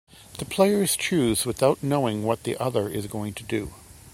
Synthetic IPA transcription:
ðɨpʰl̥eɪə˞ɨz̥tʰɹʉzwɨθaʊtⁿnoʊɪ̃ŋwʌt̪̚ðḭʔʌðə˞ʔɪzɡoʊɪ̃ŋtʰɨdɨ̰

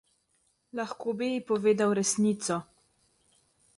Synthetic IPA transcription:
laxkoːbijipɔʋeːd̪awɾɛsniːt̪sɔ

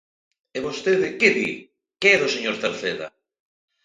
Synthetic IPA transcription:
eβost̪eðɪkeðḭ | keɛðʊseɲoɾθeɾθeðɐ̰

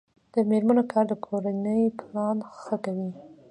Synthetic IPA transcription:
d̪̥əmeɾmanokɑɾd̪əkʰoɾanəjplɑnxəkawi

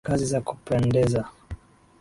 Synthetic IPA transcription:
kazizaku̥pɛndɛza

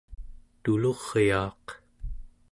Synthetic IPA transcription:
t̪ulo̞ʁjɑːq

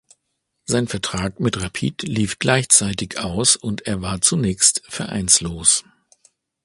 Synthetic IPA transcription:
zaɪnfɛɐtʁ̥aːkmɪtʁapʰḭːtliːfɡ̥laɪçt͡saɪtɪçʔaʊsʊnteːɐvaːɐt͡sunɛːçstfɛɐʔa̰ɪnsloːs

